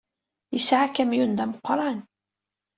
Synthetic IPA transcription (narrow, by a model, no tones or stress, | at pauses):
jəsʕakæmjund̪æmʊqːɾˤɑn